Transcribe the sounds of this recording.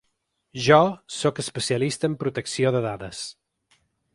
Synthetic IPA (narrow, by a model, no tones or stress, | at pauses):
ʒɔsokəspəsiəlist̪əːmpɾut̪əksioðəðaðəs